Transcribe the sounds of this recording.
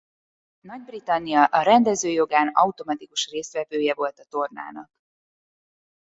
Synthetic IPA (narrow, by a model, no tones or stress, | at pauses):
nɒɟbrit̪ɒnːijɒʔɒɾɛnd̪ɛzøːjo̞ɡaːnɒut̪o̞mɒt̪ikuʃreːst̪vɛvøːjɛvo̞lt̪ɒt̪o̞rna̰ːnɒk